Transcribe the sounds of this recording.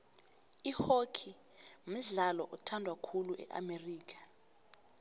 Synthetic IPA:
ihokʰi | m̩ɮalɔʔɔtʰandʱwakʰuluʔɛ̰ʔa̰meriːkʰḁ

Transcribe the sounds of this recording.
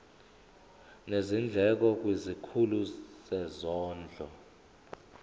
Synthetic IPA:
nezind͡ɮʱɛk̬ɔk̬wizikʰulusɛzɔːnd͡ɮʱɔ

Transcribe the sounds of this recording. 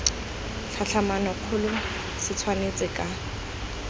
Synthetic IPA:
ɬʰaɬʰamanɔkʰʊlʊ | sɪt͡sʰwanet͡sʼɪkʼa

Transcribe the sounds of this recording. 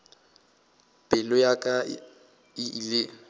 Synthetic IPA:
pʼɪlʊjakʼa | ɪile

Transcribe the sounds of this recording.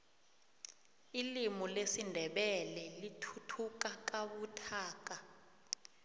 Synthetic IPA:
ilimɔlesindʱɛɓɛlɛlitʰutʰukak̬ʼaɓutʰaːk̬a

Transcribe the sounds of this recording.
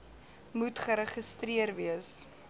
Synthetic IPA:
mutχəɾəχəstriərviəs

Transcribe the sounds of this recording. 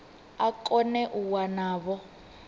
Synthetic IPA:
akʼɔnɛʔuwanaːβɔ

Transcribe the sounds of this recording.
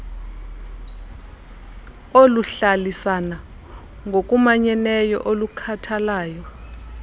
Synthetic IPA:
oluɬalisana | ŋɡok̬ʼumaɲɛnɛjɔ̰ʔolukʰatʰalaːjɔ

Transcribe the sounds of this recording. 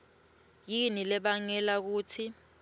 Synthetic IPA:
jinilɛɓaŋɛlak̬uːtʰi

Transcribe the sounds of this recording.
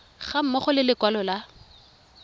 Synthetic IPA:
χam̩mɔχʊlɪlɪkwalɔla

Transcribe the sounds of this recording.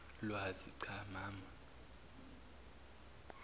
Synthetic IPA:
lwaziǀʰamaːma

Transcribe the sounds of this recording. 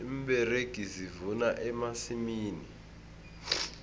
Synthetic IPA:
imɓɛreɡ̥ʱizivunaʔɛmasimiːni

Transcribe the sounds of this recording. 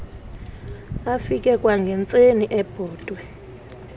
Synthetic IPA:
afik̬ʼɛkʼwaŋɡʱɛnt͡sʼeniʔɛb̥ʱɔːd̥ʱwɛ

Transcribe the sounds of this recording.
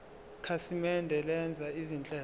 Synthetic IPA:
kʰasimɛndʱɛlɛnd͡zʱaizint͡ɬʼɛː

